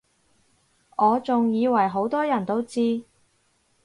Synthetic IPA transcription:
ŋɔː˨˧t͡sʊ˨ŋjiː˨˧wɐ˨˩jɦo˨˥wt̪ɔː˥jɐ˨˩nt̪o˥wt͡siː˥

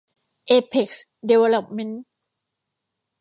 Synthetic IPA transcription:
ʔe˧pʰe˨˩k̚sde˧we˧lo˨˩p̚me˦˥n

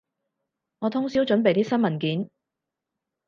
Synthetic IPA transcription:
ŋɔː˨˧t̪ʰʊ˥ŋsiː˨˥wt͡ʃɵ˨˥npe˨jt̪iː˥sɐ˥nmɐ˨˩nkiː˨˥n

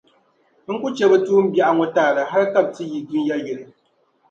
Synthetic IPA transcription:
ŋ̩˦ku˦t͡ʃɛ˨˦bɛ˦tuː˦m̩˦bja˨ʔa˦ŋɔ˦taː˦˨la˨ɦa˦ɾka˦˨p̚ti˦ji˨ɡi˦n˦ja˦jɛ˨ɾɨ˨

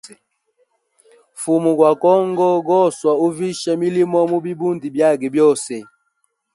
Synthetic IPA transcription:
fu˨mu˨kwa˨kɔ˦ŋɡɔ˦ɡɔ˦˨swa˨u˦vi˦ʃa˦mi˦li˦mɔ˦mu˦bi˦bu˦ndi˨bja˦˨ɡi˨bjɔ˦˨sɛ˨

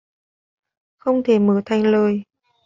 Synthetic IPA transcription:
xə˧wŋ͡mt̪ʰe˧˩məː˧˩t̪ʰa˧jŋ̟ləː˧˨˩j

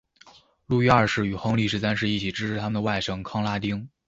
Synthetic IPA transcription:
lu˥˩ɥɛ˥ɐ˞˥˧ʂɻ̩˥˩y˨˩xɤ˧˥ŋli˥˧ʂɻ̩˥s̬a˥nʂɻ̩˥˧i˥˩t͡ɕʰi˨˩ʈ͡ʂɻ̩˥ʂʰɻ̩˥t̪ʰa˥mə˨nd̪ə˩wa˥˩ɪʂɤ˥ŋkʰɑ˥ŋla˥t̪i˥ŋ

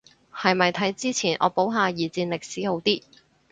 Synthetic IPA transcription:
hɐ˨jmɐ˨jt̪ʰɐ˨˥jt͡siː˥t͡sʰiː˨˩nʔɔ̰ː˨˧po˨˥wɦaː˨˧jiː˨˩t͡siː˧nlɪ˨k̚siː˨˥ho˨˧˥wt̪iː˥

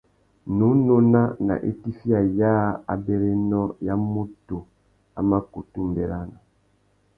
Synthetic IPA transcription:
nu˨˦no˦na˦na̰˨ʔḛ˦ti˦fi˦a˨ja˦a̰˨be˦ɾe˦nɔ˦ja˦mo˦to˨ | a̰˨ma˦ku˨tu˦m˨bɛ˨ɾa˦na˨

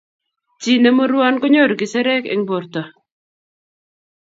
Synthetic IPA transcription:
t͡ʃi˨nɛ˦mo˦ɾwɔ˦nkɔ˦ɲɔ˦ɾɡɪ˨sɛ˦ɾɛ˦kɛ̰˨ŋbo˨ɾt̪ɔ˨

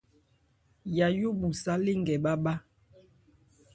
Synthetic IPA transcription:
ja˨jo˦ɓu˨sa˦le˦ŋɡɛ˨ɓa˦ɓa˦

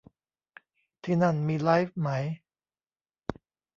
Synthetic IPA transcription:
t̪ʰiː˥˩na˥˩nmiː˧la˦˥jfma˦˥j

